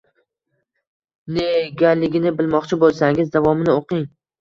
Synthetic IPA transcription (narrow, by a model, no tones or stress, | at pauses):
neɡʲalɪɡʲɪnɪbɪlmɒqt͡ʃʰɪbolˠsaŋɪzd̪avɒmɪnɪoqɪŋ